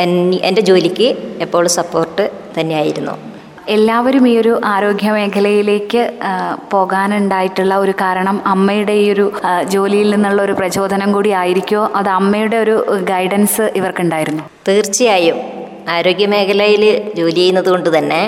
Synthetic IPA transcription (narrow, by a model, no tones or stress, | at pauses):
enended͡ʑo̞ːlikʲːɨepːo̞ːɭsɐpːo̞ːrʈːɨ | t̪ɐnːejaːjiɾunːṵ | e̞lːaːʋɐɾumiːjo̞ɾuʔaːɾo̞ːɡjɐme̞ːkʰɐlɐjile̞ːkːɨpo̞ːɣaːnuɳɖaːjiʈːuɭːɐo̞ɾukaːɾɐɳɐmɐmːɐjuɽe̞o̞ɾud͡ʑo̞ːlijilninːuɭːɐoɾuprɐt͡ɕo̞ːd̪ʱɐnɐmkuːɽiaːjiɾikʲːuoːʔɐðɨɐmːɐjuɽe̞o̞ɾuɡɐjɖɐnsɨʔiʋɐrkuɳɖaːjiɾunːu | t̪iːrt͡ɕːijaːjum | aːɾo̞ːɡjɐme̞ːkʰɐlɐjild͡ʑo̞ːlijejunːɐðuko̞ɳɖɨt̪ɐnːe̞